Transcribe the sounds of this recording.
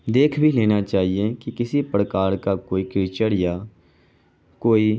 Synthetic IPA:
d̪eːkʰbʱileːnat͡ʃaːɦiekikɪsipɽkaːɾkakoːikɾɪːt͡ʃəɽja | koːi

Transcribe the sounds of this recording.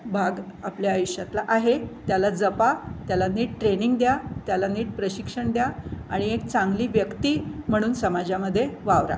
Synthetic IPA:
bʱaɡapljaːjuɕjat̪laʔaɦet̪jalad͡zəpat̪jalaniːʈ̚ʈɾeniŋɡd̪jat̪jalaniːʈ̚pɾəɕikʂəɳd̪jaaɽ̃iek̚t͡saŋɡliːʋjəkt̪iːm̤əɽ̃uːnsəmad͡ʑaməd̪ʱːjeʋaʋɾa̰

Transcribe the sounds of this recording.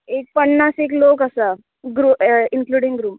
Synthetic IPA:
ek̚pəɳːasek̬lok̬əsa | ɡɾuːinkluːɽiŋɡɾuːm

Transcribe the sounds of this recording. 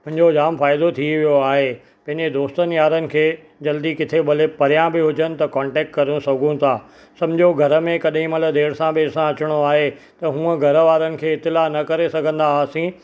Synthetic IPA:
mʊ̃ɦɪ̃ɲd͡ʑod͡ʑaːmfaːɪd̪ot̪ʰiʋijoaːɦe | pɐ̃ɦɪ̃ɲd͡ʑed̪oːst̪ənɪ̆jaːɾənɪ̆kʰeː | d͡ʑɐld̪ikɪt̪ʰebɐlepɐɾijãbɪɦʊd͡ʑənɪ̆t̪ɐkɔ̃ːɳʈɛːk̚ʈkɐɾũsɐɡʱũt̪ʰaː | sɐ̃md͡ʑʱoɡʱɐɾə̆mẽkɐɗɦĩmɐləd̪ʱeːɽsãbeːɽsãɐt͡ɕɪɽ̃oaːɦe | t̪ɐɦũːə̃ɡʱɐɾəʋaːɾənɪ̆kʰeːɪt̪ɪlanɐkɐɾesɐɡʱə̃nd̪aːsĩ

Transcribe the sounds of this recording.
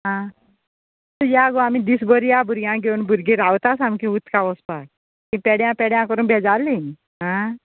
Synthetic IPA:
ɦã | t̪əjaɡoamid̪isɡoɾijabʱuɾɡjãɡʱeuːnbʱuɾɡĩɾaʋt̪asamkĩut̪kaʋɔspak̚ | kĩpɛɽjãpɛɽjãkəɾuːnbʱɛd͡zalin | ɦã

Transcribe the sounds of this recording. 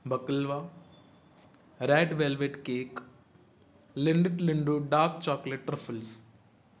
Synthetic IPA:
bɐkəlʋaː | ɾɛːɖʋeːlʋeʈkeːk | lɪɳɖeʈliɳɖuɖaːɾkt͡ʃaːkleʈːɾɐpʰəls

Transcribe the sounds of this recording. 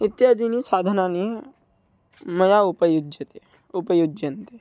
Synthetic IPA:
ɪt̪ːjaːd̪inisaːd̪ʱənãːne | mɐjaʊpəjʊd͡ʒɪt̪e | ʊpəjʊd͡ʒənt̪e

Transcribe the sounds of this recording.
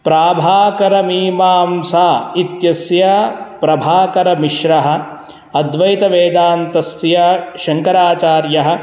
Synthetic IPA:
pɾaːbʱaːkɐɾɐmiːmaːmsaːit̪jɐsjɐpɾɐbʱaːkɐɾɐmiʃɾɐɦɐ̆ | ɐd̪ʋɐjt̪ɐʋeːd̪aːnt̪ɐsjɐʃɐŋkɐɾaːt͡ʃaːɾjɐɦɐ̆

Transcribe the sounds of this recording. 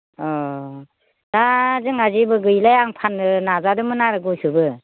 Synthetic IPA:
ɔ | d̥azɯŋazibɯɡɯjlajaŋpʰanɯnazadɯmɯnaɾɯɡusɯbɯ

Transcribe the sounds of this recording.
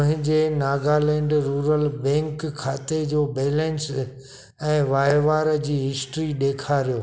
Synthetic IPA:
ɦɪ̃ɲd͡ʑenaːɡalɛ̃ːɳɖɾuːɾəlbɛ̃ːŋkʰːaːt̪ed͡ʑoːbeːlẽns | ɛ̃ːʋaːjʋaːɾd͡ʑiːɦɪsʈɾiɗeːkʰaɾijoː

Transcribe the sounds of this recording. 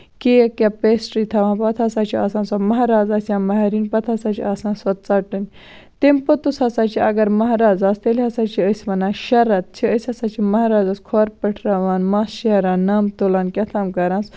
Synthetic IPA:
kejkʲapeːsʈɾiːt̪ʰɐʋãːpɐt̪ʰaːsaːt͡ʃʰia̰ːsãːnsɐmɐɦɾaːzaːsjãːmɐɦeɾiːnpɐt̪ʰaːsaːt͡ʃʰiaːsãːsɐt̪̚t͡saʈɨnʲ | t̪empɐt̪usɐsaːt͡ʃʰiɐɡɐɾmɐɦɾaːzaːst̪elʲɦɐsaːt͡ʃʰiəsʲmɐnãːʃɐɾɐt̪̚t͡ʃʰiəsʲɐsaːt͡ʃʰimɐɦɾaːzaːskʰoːɾpɐʈʰɾɐʋaːnmaːsʃɐɾãːnːamt̪olaːnkʲɐt̪ʰaːmkɐɾãːs

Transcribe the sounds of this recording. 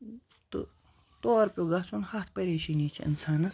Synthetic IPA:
t̪ɨ̰ | t̪oːɾpʲjoːɡat͡sʰunhɐt̪ʰpɐɾeʃiniːt͡ʃʰḭɐ̰nt͡sʰaːnɐ

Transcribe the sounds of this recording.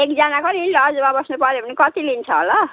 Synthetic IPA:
ekd͡zanakonilʌrd͡zmãbʌsnupʌɾjebʱʌnikʌt̪ilint͡sʰʌɦo̰lʌ

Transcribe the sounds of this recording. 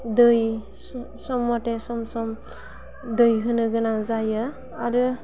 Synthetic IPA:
dɯj | sɔmːɔtesɔmsɔm | dɯjɦɯnɯɡɯnazajɯ | aɾɯ

